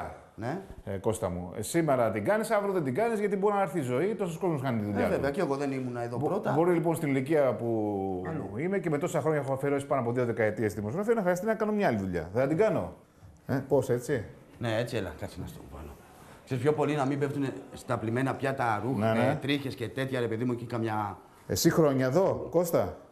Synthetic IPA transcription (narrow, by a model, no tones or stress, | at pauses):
neko̞st̪ɐmṵsime̞ɾɐt̪iɡɐnisɐvɾoðend̪iɡɐnizʝɐt̪ibo̞ɾinɐeɾθizo̞it̪o̞sosko̞zmoskɐnit̪iðuʎɐveveɐceeɣo̞ðenimunɐeðobɾot̪ɐbo̞ɾilipo̞nst̪iniliciɐpuluime̞ce̞me̞t̪o̞sɐxɾoɲɐexoɐfeɾosi̥pɐnoɐp̬o̞ðio̞ðe̞kɐe̞t̪iest̪iðimo̞sɾofeinɐxɾɐst̪inɐkɐno̞mɲɐɐliðuʎɐ̰θeðɐd̪iɡɐno̞ | epo̞se̞t͡si | neet͡sielɐ̰kɐt͡sinɐ̰st̪opɐ̰lo | ksespço̞po̞linɐmimbeft̪unest̪ɐplime̞nɐpçɐt̪ɐɾunenet̪ɾiçescet̪e̞t̪çɐɾe̞pe̞ðimuecikɐmɲɐ | e̞̰sixɾo̞ɲɐeðo̞ko̞st̪ɐ